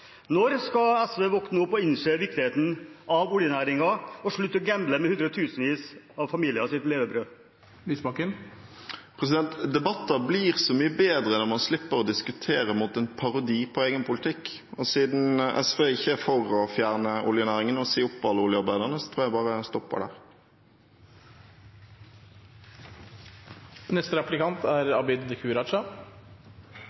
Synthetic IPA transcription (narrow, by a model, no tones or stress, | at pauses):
nɔɾskɑɛsʋeːʋɔknəʊpːɔɪnʂeʋɪk̚t̪ɪheːt̪n̩ɑʋʊljənæːɾɪŋɑɔʂɭʉt̪ːəɔɡæmbləmɛhʉnd̪ɾəɔt̪ʰʉːsənʋiːs | ɑʋfɑmiːlɪəsɪt̪leːʋəbɾøː | lyːsbɑkən | pʰʁɛs̬ɪd̪ɛnt̪d̪ɛbɑt̪ːɑblɪʁsɔmyːəbeːd̪ɾənɔmɑnslɪpːəɾɔd̪ɪskʉt̪ʰeːɾəmut̪ɛnpʰɑɾʊd̪iːpʰɔeːɡənpʰʊlt̪ʰɪkː | ɔsiːd̪n̩ʔɛ̰sʋeːɪçːəfɔɾɔfjæːʁnəʔʊljʊnæːʁɪŋənɔseːʊpːɑlːəʊljəɑɾbæɪd̪əʁənəsɔt̪ʰɾuːjæɪbɑːʁəst̪ɔpːə̰ɖæ̰ːʁ | nɛst̪əɾɑplɪkʰɑnt̪ʰæɾɑbɪd̪kʰʉːɾɑt͡ʃɑ